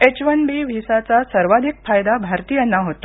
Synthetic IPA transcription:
et͡ɕʋənbiʋʱisat͡sasəɾʋad̪ʱikfajd̪abʱaɾt̪iːjənːaɦot̪o

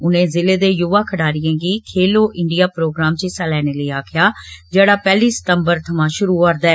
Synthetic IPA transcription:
ʊnẽːzɪleːd̪eːjʊʋaːkʰəɽaːɾɪjẽːɡiːkʰeːloːʔɪɳɖijaːpɾoːɡɾaːmt͡ʃisalɛːneːləiːaːkʰɪjaːd͡ʒeːɽaːpɛːliːsə̥t̪əmbəɾt̪ʰəmãːʃʊɾuːɔːɾd̪ɛː

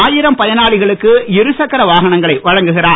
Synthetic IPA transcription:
aːjɪɾɐmpɐðɐnaːɭɪɣɐɭɯkːɯɪɾɯsɐkːɐɾɐʋaːɣɐɳɐŋɡɐɭɐɪʋɐɻɐŋɡɯɣɪraː

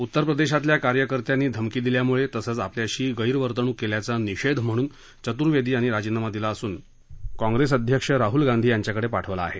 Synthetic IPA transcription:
ut̪ːəɾpɾəd̪eɕat̪ljakaɾjəkəɾt̪janːiːd̪ʱəmkiːd̪iljamuɭet̪əsəːt͡sapljaɕiːɡəjɾʋəɾt̪əɳ̃uːkeljat͡saniɕed̪ʱm̤əɽ̃uːn | t͡ɕət̪uɾʋed̪ʱiːaɽ̃iɾad͡ʑinamad̪ilaəsuːn | kɔ̃ŋɡɾesəd̪ʱjəkʂəɾaɦulɡãnd̪ʱiːjaɲt͡ɕjakəɽepaʈʰəʋla̰ːɦe

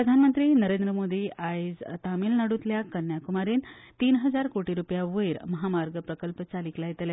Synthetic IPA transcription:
ɾəd̪ʱanmənt̪ɾiːnəɾend̪ɾəmod̪iːaed͡zt̪amilnaɽut̪ljakənːjakumaɾiːnt̪iːnɦəd͡zaɾkoʈiɾupjaʋəjɾməɦamaɾɡəpɾəkəlpt͡saliklait̪lja

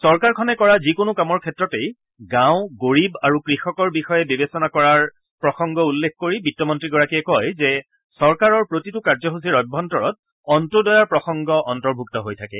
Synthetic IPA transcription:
sɔɹkaɹkʰɔnɛkɔɹazikonʊkamɔɹkʰɛtɹɔtej | ɡãʊ̃ɡoɹibaɹukɹixɔkɔɹbixɔjɛbibesɔnakɔɹaɹ | pɹɔxɔŋɡɔulːekʰkoɹibitːɔmɔntɹiɡɔɹakiɛkɔjzɛ | sɔɹkaɹɔɹpɹotitʊkaɹzɔɦusiɹɔjbʱːɔntɔɹɔt̚ | ɔntudɔjaɹpɹɔxɔŋɡɔʔɔntɔɹbʱuktɔɦojtʰakɛ̰

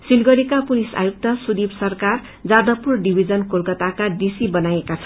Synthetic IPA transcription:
silɡʌɾekapulisa̰juk̚t̪ʌsud̪ibsʌrkar | d͡zad̪ʌpːurɖibʱid͡zʌnkolkʌt̪akad̪isibʌnajekat͡sʰʌ̥

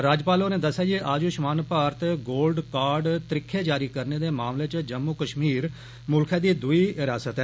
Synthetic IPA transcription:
ɾaːd͡ʒpaːloːnẽːd̪əsːjaːd͡ʒiʔaːd͡ʒuːʃmaːnpaːɾt̪ɡoːlɖkaːɾɖt̪əɾɪkʰːeːd͡ʒaːɾiːkəɾneːd̪eːmaːmleːt͡ʃd͡ʒəmːuːkəʃmiːɾ | mʊlkʰẽːd̪iːd̪ʊiːɦɪɾaːsət̪ɦɛː

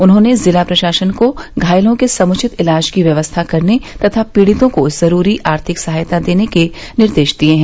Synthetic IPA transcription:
ʊnɦõnezɪlapɾɐʃaːʃənkoɡʱaːɪlõkesɐmʊt͡ʃʰɪt̪ɪlaːd͡ʒkiʋjɐʋəst̪ʰakɐɾnet̪ɐt̪ʰapiːɽɪt̪õkoz̥ɐɾuːɾiʔaːɾt̪ʰɪksɐɦaːjt̪ad̪eːneke | nɪɾd̪eːʃd̪ieɦɛ̃

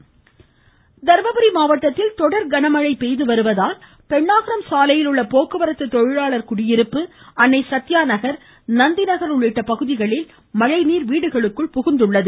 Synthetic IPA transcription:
d̪ɐɾʋɐbɐɾimaːʋɐʈːɐt̪ːɪlt̪ɔɽɐɾɡɐɳɐmɐɻɐɪpːɛjðɯʋɐɾɯʋɐðaːl | pɛɳːaːɣɪɾɐmsaːlɐjɪlɯɭːɐpoːkɯʋɐɾɐt̪ːɯt̪ːɔɻɪɻaːɭɐɾkʊɽɪjɪɾɯpːɯ | ɐnːɐɪsɐt̪ːɪjaːnɐɣɐɾ | nɐnd̪ɪnɐɣɐɾʊɭːɪʈːɐpɐɣɯðɪɣɐɭɪl | mɐɻɐɪniːɾʋiːɽɯɣɐɭɯkːɯɭpʊɣɯnd̪ɯɭːɐðɯ

